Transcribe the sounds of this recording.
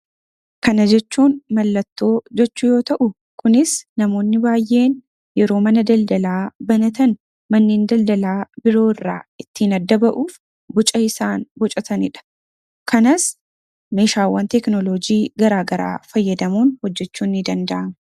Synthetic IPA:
kɐnɐd͡ʒɛt͡ʃːuːnmɐlːɐt̪ːo̞ːd͡ʒɛt͡ʃːʊjo̞ːt̪ɐʔʊ | kʰʊnɪsnɐmo̞ːnːɪbaːjʔe̞ːn | jɛɾo̞ːmɐnɐd̪ɐld̪ɐlaːbɐnɐt̪ɐn | mɐnːeːnd̪ɐld̪ɐlaːbɪɾo̞ːɪrːa̰ːɪt̪ːiːnɐd̪ːɐbɐʔuːf | bʊt͡ʃʼɐɪsaːnbɔt͡ʃʼɐt̪ɐnɪᶑɐ̥ | kʰɐnɐs | me̞ːʃaːwːɐnt̪ɛknɔlod͡ʒiːɡɐɾaːɡɐɾa̰ːfɐjːɐd̪ɐmuːnhɔd͡ʒːɛt͡ʃːuːnːɪd̪ɐnd̪ɐʔɐmɐ

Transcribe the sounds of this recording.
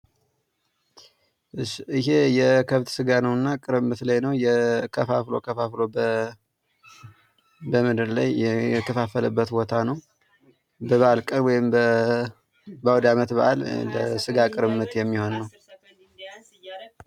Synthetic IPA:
ʔɨʃɨɦejɛkʰəβt̪sɨɡanəwɨnːakʼɨɾɨmːɨt̪lajnəwjɛkʰəfaflo̞̰kʰəfaflo̞ | bəmɨd̪ɨɾla̰jɛk̪ʰəfafələbːət̪bo̞t̪ʰanəw | bəβəʔalkʼɨnwɔjɪmbə | bawd̪amət̪bəʔalləsɨɡakʼɨɾɨmːɨt̪jɛmːiho̞nːəw

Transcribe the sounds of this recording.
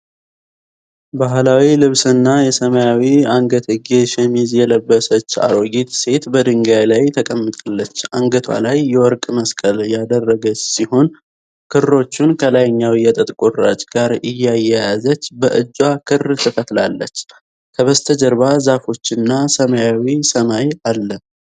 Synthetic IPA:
baɦlawilɨβsɨnːajɛsəməjawiaŋɡət̪ʰəɡeʃɛmizjɛləbːəsət͡ʃːa̰ɾoɡit̪se̞t̪bəd̪ɨŋɡajlajt̪ʰəkʼəmːɨt̪ʼalːət͡ʃːaŋɡət̪ʰwa̰lajːɛwɔɾkʼməskʼəljad̪ərːəɡət͡ʃsiho̞n | kʰɨro̞t͡ʃːunkʰəlajɲːawijɛt̪ʼət̪ʼkʼoɾat͡ʃʼɡ̥aɾɨjːajːɛjazət͡ʃːbəʔɨd͡ʒːwakʰɨrt̪ʰəkʰət̪lalːət͡ʃː | kʰəβəst̪ʰəd͡ʒəɾβazafo̞t͡ʃːɪnːasəmajawisəmajalːə

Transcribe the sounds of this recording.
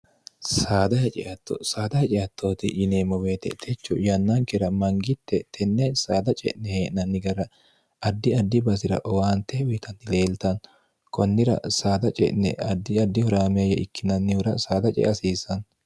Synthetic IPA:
saːd̪ɐhɛt͡ʃʼɪ̰ʔɐt̪ːo̰saːd̪ɐhɛt͡ʃʼɪjɐt̪ːoːt̪ɪʔɪneːmːɔwe̞ːt̪ɛ̰t̪ʰɛt͡ʃːɔjɐnːɐŋkɛɾɐmɐŋɡɪt̪ːɛt̪ʰɛnːɛsaːd̪ɐt͡ʃʼɛ̰ʔnɛheːʔnɐnːɪɡɐɾɐ | ʔɐd̪ːɪɐd̪ːɪbɐsɪɾɐ̰ʔɔwaːnt̪ːɛwɪt̪ɐnt̪ːɪle̞ːlt̪ɐn | kɔnːɪɾɐ̰saːd̪ɐt͡ʃʼɛ̰ʔnɛ̰ɐd̪ːɪɐd̪ːɪhɔɾaːmɪɐjɛʔɪkːɪnɐnːɪʊɾɐsaːd̪ɐt͡ʃʼɛ̰ʔɐsiːsɐn

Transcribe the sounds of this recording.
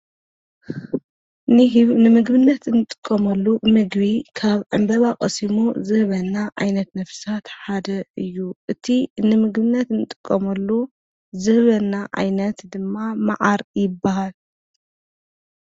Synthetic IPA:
nɨnɨmɨɡbɨnːɐt̪ɨnɨt̪ʼɨ̥kʼːɐmɐlːumɨɡβikʰaβʕɨmbɐβakʼɐsimuzɨhβɐnːaʔa̰jnɐt̪nɐfsat̪ħad̪ɐɨjːuʔɨt̪ʰinɨmɨɡbɨnːɐt̪nɨt̪ʼɨkʼːɐmɐlːu | zɨhβɐnːaʔa̰jnɐt̪d̪ɨmːamaʕaɾjɪbːaɦal

